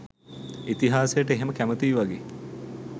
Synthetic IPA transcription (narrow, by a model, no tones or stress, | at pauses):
it̪iɦaːsejəʈəeɦeməkæmət̪iːʋaɡeː